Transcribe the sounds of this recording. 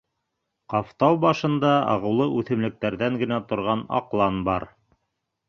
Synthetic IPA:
qɑft̪ɑwbɑʃɤ̆nd̪ɑɑ̰ʁɤ̆wlˠɤʔʉθɘ̆mlɘ̆k̚t̪æɾðæŋɡɘ̆næt̪ŏɾʁɑnɑ̰qlˠɑnbɑɾ

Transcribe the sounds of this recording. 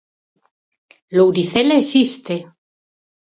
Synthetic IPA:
lowɾiθelesist̪e

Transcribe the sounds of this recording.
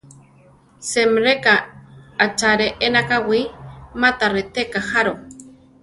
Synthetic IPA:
semɾekaat͡ʃaɾeʔenakawimat̪aɾet̪ekaxaɾo

